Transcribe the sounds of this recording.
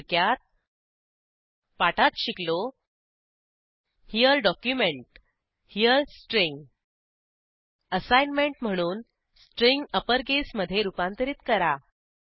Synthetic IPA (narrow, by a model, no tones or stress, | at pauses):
kjat̪̚ | paʈat̪ɕiklo | hijəlɖɔkjumeɳʈ | hiəlsʈɾiŋɡ | əsajnmeɳʈm̤əɽ̃uːn | sʈɾiŋɡəpəɾɡesməd̪ʱjeɾupãnt̪əɾiːt̪kəɾa